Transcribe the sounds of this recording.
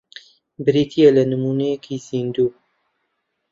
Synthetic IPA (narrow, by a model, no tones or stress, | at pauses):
bɨɾit̪ʰijelɐnɨmuːnejekʰizind̪uː